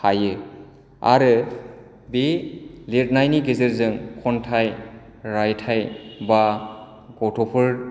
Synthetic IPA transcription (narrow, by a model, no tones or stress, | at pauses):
hajɯ | a̰ɾɯ | belet̚najniɡezeɾzɯŋkʰɔntʰaj | ɾajtʰajba | ɡɔtʰɔpʰɯɾ